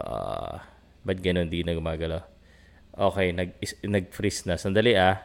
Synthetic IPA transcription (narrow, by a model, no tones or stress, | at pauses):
o̰ʔo̰ːʔʔ | bɐt̪̚ɡɐno̞nd̪inɐɡʊmaːɡɐlaw | ʔoːkɛjnɐɡ̚ɪnɐɡ̚fɾisnɐsɐnd̪ɐliʔa